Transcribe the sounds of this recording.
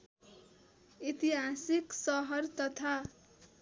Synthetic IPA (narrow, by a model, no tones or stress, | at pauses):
it̪iɦasiksʌɦʌrt̪ʌt̪ʰa